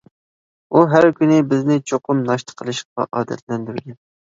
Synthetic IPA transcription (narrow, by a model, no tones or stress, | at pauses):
uɦæɾkʲynɪbɪznɪt͡ʃʰoqʰʊmnɑʃt̪ʰə̥qʰəlˠɨʃʰɑ̰ʔɑːd̪ɛ̰t̪̚lɛnd̪ɪɾɪɡʲɛn